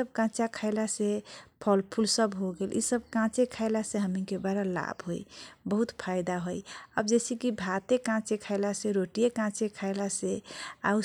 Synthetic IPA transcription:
əb̚kãt͡ʃakʰaɪlasẽpʰəlpʰulsəbɦoɡelʔḭsəb̚kãt͡ʃekʰaɪlasẽɦəmikebaɾala̰bɦo̰jbəɦut̪pʰaɪd̪aɦojəbd͡ʒesikibʱat̪ekãt͡ʃekʰaɪlasẽɾoʈijekãt͡ʃekʰaɪlasẽa̰u

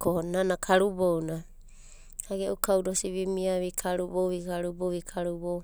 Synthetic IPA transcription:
konanakʰaɾubowna | haɡeʔukawdosiβimiaβikʰaɾubowβikaɾuboβikʰaɾubo

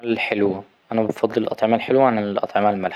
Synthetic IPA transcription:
ælħelwæ | ʔænæbɑfɑd̪ˤːelʔɑ̰t̪ˤʕemælħelwæænlʔɑ̰t̪ˤʕemælmæl

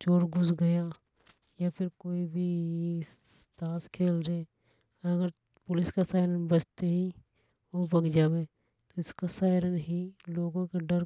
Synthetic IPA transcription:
t͡ʃoːɾɡʊsɡɐja | japʰɪɾkoːibʱi | t̪aːskʰeːlɾe | ɐɡəɾ | pʊlɪskasaːɪɾənbət͡ʃt̪eɦi | obɐɡd͡ʒaːweː | t̪oɪskasaːɪɾənɦiloːɡõkaɖəɾ

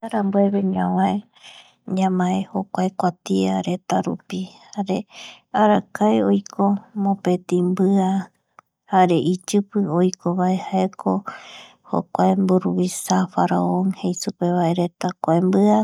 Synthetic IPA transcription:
aɾambueβeɲãwãe | ɲãmãeho̞kʷaekʷat̪iaɾe̞t̪aɾṵpihaɾe | aɾakaeojkʰomõpe̞t̪ĩmbɨa | haɾe̞ʔit͡ʃɨpɨojkʰoβae̞haekʰo̞ | ho̰kʷaembuɾuβisafaɾaonhejsupe̞βae̞ɾe̞t̪akʷaembɨa

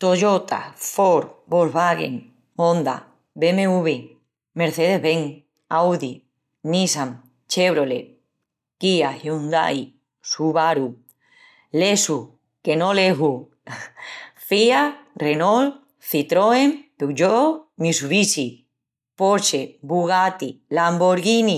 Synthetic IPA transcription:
t̪o̞ʝot̪a̰foɾbolβaɣḛŋ | ond̪a̰ | bemeuβe | me̞ɾθeðeɦβeŋ | awði | nisaŋ | t͡ʃeβɾolḛ | kiahiund̪a̰j | suβaɾu | lesu | ke̞noleɦu | fiarenol | θit̪ɾoempewd͡ʒomisuβisi | poɾt͡ʃebuɣat̪ilamboɾɣini

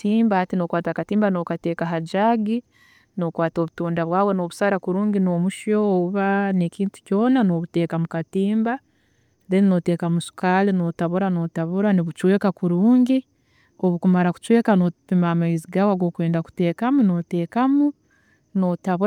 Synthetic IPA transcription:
tiːmbahatinokwaːtakatiːmbano̞kate̞ːkaɦad͡ʒaɡi | no̞kwaːto̞βutuːndaβwaːweno̞ːβusaɾakuɾuːŋɡino̞muʃoːβuβane̞ːciːntu̥co̞ːnano̞ːβute̞ːkamukatiːmba | ðenino̞teːkamusu̥kaːlino̞ːtaβuɾano̞ːtaβuɾaniβut͡ʃwe̞ːkakuɾuːŋɡi | o̞βukumaɾaku̥t͡ʃwe̞ːkanopimamaiziɡaːwaɡwo̞ːkweːndaku̥te̞ːkamuno̞te̞ːkamu | notaβu

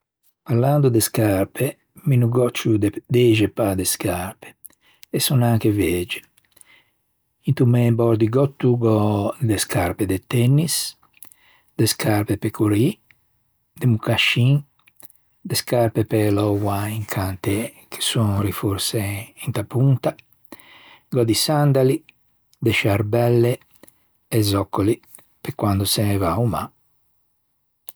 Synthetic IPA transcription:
paɾland̪ud̪eskaɾpe | minuɡɔt͡ʃːud̪d̪ɛd͡ʒepad̪eskʰaɾpe̥ː | sːɔnaŋkevɛːd͡ʒe̥ | int̪umebɔɾd̪iɡɔt̪ːuɡɔd̪eskʰaɾped̪et̪ɛnːis | d̪̥eskʰaɾpepekʰoɾi | d̪emukaʃin | d̪eskaɾpepelɔwaiŋkʰant̪e | kʰe̥sunrifuɾseint̪apunt̪a | ɡɔd̪isand̪ali | d̪eʃaɾbɛlːeː | zɔkːoli | pekwand̪osenevauma

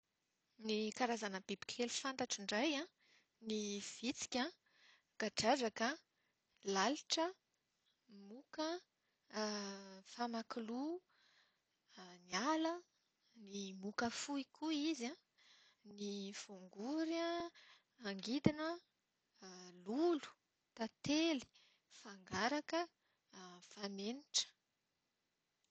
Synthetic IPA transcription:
nikaɾazanəbebi̥kʰelufant̪aʈ͡ʂiɳɖ͡ʐajã | niv̥it͡si̥kʲa | ɡ̥aʈ͡ʂazakə | laluʈ͡ʂə | mukə | famakulu | nialə | nimukəfuikʰuiza | nifuŋɡuɾaː | ŋɡid̪inə | lulu̥ | t̪at̪eli̥ | faŋɡaɾakə | faneniʈ͡ʂə̥

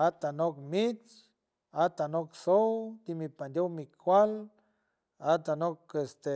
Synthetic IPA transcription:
at̪anokmit͡s | at̪anoksowt̪imipand̪ʲowmikʰʷal | at̪anokest̪e

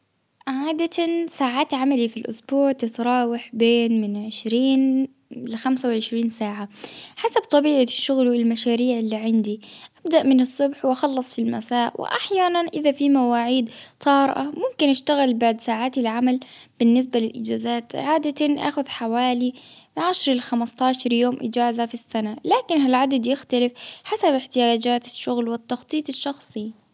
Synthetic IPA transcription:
ʕʕaːd̪asaːʕaːt̪ʕamalifilʔʊsbuːʕt̪ɪt̪ɾˤɑːwaħbeːnmɪnʕɪʃɾiːn | lɪxamsawʕɪʃɾiːnsaːʕaħasabt̪ˤɑbiːʕaʃːʊɣlwɪlmaʃaːɾiːʕɪlːiːʕɪnd̪iʔab̚d̪aʔmɪnɨsˤːʊbħwʔɑxɑlːɑsˤfilma̰saːʔwʔɪ̰ʔa̰ħjaːnanʔɪðafimawaːʕiːd̪t̪ˤʰɑːɾʔa̰mʊmkɪnʔaʃt̪aɣɪlbaʕd̪saːʕaːt̪ɪlʕamalb̥ɪnːɪs̬balɪlʔɪ̰d͡ʒaːzaːt̪ʕaːd̪at̪aʔa̰ːxʊðħawaːliʕaʃɾˤɪlxamast̪ˤɑːʃɑɾˤjoːmʔɪ̰d͡ʒaːzafisːanalaːkɪnɦalʕad̪ad̪jɪxt̪alɪfħasabɪħt̪ɪjaːd͡ʒaːt̪ɪ̥ʃːʊɣlwɪt̪ːɑxt̪ˤiːt̪ˤɪʃːɑxsˤi

